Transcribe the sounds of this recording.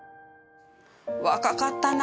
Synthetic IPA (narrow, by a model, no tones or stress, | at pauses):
waʔkaʔkat̪ːana